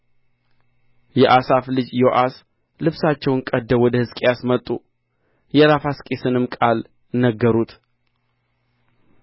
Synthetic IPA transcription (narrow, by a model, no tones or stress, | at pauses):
jɛʔasaflɨd͡ʒjoʔas | lɨβsat͡ʃːɛwnkʼəd̪ːəwɔd̪əhɨskʼejasmət̪ʼːu | jɛɾafaskʼesɨnɨmkʼal | nːəɡːəɾut̪